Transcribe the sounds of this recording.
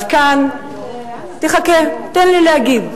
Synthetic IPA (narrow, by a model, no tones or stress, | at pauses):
vkan | t̪eχaket̪enlilehaɡid